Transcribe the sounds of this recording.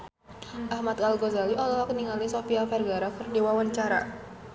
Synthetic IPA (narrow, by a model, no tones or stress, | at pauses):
ʔahmat̪̚kalɡozaliʔɔlalakəniŋalisofiafɛrɡaɾafərdewawaɲt͡ʃaɾa̰